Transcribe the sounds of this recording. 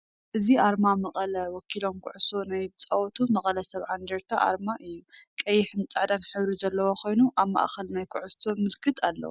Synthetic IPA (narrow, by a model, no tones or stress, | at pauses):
ʔɨziʔaɾmamɐχʼɐlɐwɔkʰilo̞mkʰʊʕusonajɨt͡sʼawɔt̪ʰumɐχʼɐlɐsɐβʕand̪ɐɾt̪ʰaʔa̰ɾmaʔɨjːukʼɐjːɪħɨnt͡sʼaʕd̪anħɨβɾizɐlːɐwokʰo̞jnuʔaβma̰ʔxɐlnajkʰʊʕʊst̪ʰomɨlkʰɨt̪ʰalːɐ̰wṵ